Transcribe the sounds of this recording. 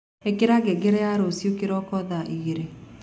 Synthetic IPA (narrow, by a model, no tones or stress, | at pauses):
ekeɾaɡɛɡeɾɛjaɾosjokeɾɔkɔðaʔiɣeɾe